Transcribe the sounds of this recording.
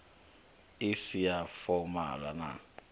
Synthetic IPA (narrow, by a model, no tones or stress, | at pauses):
ɪsijafɔma̰la̰na̰